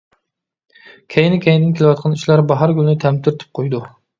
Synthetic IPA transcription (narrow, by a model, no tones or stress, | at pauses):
kʲʰɛjnɪkʲʰɛjnd̪ɪnkʲʰelɪwɑt̪̚qʰɑniʃlˠɑɾbɑɦɑɾɡʲylɪnɪt̪ʰɛmt̪ɪɾɪt̪ʰɪ̥p̚qʰojd̪u